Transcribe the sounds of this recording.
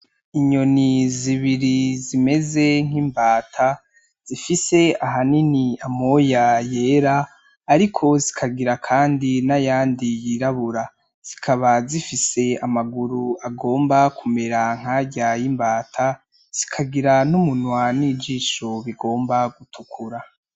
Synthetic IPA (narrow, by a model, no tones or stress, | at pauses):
iɲo̞niziβiɾizime̞ze̞ŋ̥iːmbaːtʰa | z̥ifise̞aɦaniniamojaje̞ːɾaː | ɾikʰo̞zikʰaɡiɾakʰaːndinajaːndijiɾaβuɾa | z̥ikʰaβazifise̞amaɡuɾuaɡo̞ːmbakume̞ɾaŋ̥aːɟajimbaːtʰa | z̥ikʰaɡiɾanumunwanid͡ʒiːʃo̞βiɡo̞ːmbaɡutʰukʰuɾa